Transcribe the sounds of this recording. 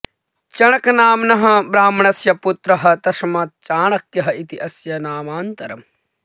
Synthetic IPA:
t͡ʃɐɳɐkɐnaːmnɐɦɐ̆bɾaːmɐɳɐsjɐput̪ɾɐɦɐ̆t̪ɐʃmaːt̪̚t͡ʃaːɳɐkjɐɦɐit̪iʔɐsjɐnaːmaːnt̪ɐɾɐ̰m

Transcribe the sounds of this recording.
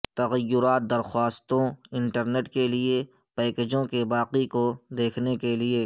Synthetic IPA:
t̪ɐɣəjːʊɾaːt̪̚d̪ɐɾxwaːst̪õɪ̃ɳʈəɾneːʈkelie | pɛːked͡ʒõkebaːqikod̪eːkʰnekelie

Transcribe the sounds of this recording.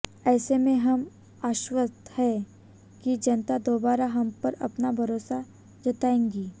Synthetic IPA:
ɛːsemẽɦɐm | aːʃwəst̪ʰhɛ | kid͡ʒɐnt̪ad̪oːbaːɾaɦɐmpɐɾɐ̰pnabʱɐɾoːsa | d͡ʒɐt̪aːẽːŋɡiː

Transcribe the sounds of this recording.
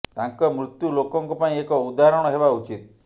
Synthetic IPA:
t̪aŋkɔmɾut̪julokɔŋkɔpaĩekɔud̪aɾɔɽ̃ɔɦebaut͡ʃit̪̚

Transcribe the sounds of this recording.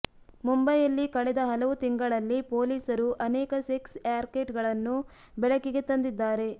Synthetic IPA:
mumbɐjɐlːikɐɭɛd̪ɐɦɐlɐʋut̪iŋɡɐɭɐlːipo̞ːliːsɐɾuʔɐnɛːkɐseksaːɾkeːʈɡɐɭɐnːu | bɛɭɐkːiɡet̪ɐnd̪id̪ːaːɾe̞

